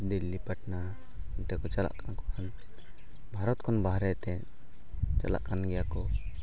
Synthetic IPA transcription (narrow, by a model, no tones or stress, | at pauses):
d̪ilːipaʈna | nt̪ɛkɔt͡ʃala̰ʔkankɔkan | bʱaɾɔt̪kʰɔnbaɦɾɛt̪ɛ | t͡ʃa̰la̰ʔkanɡɛjakɔ